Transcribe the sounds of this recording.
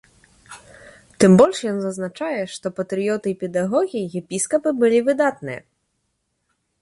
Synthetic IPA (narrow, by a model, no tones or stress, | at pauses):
t̪ɨmbɔlʲʂjɔnzɐznat͡ʂajɛʂt̪ɔpɐt̪ɾɨjɔt̪ɨpʲɛd̪aɣɔɣʲijiɣʲɛpʲiskɐpɨbɨlʲivɨd̪at̪nɨjɛ̰